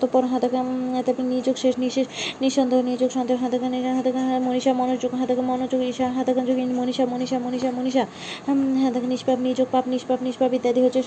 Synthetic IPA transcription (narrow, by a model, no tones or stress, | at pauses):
t̪opɔɾɦad̪akat̪abnid͡ʑoɡʃeʃniʃeniʃɔnd̪ʱeoniod͡ʑoɡʃɔnd̪eɦad̪akanɦad̪amoniʃamɔnod͡ʑoɡɦãd̪ʱakamɔnod͡ʑoɡiʃaɦad̪ʱakand͡ʑoɡimoniʃamoniʃamoniʃamoniʃa | ɦad̪akniʃpabnid͡ʑoɡ̚papniʃpapniʃpabid̪ːjad̪iɦotːʰe